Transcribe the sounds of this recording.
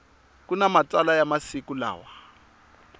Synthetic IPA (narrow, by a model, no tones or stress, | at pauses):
kunamat͡salajamasikula̰ːwa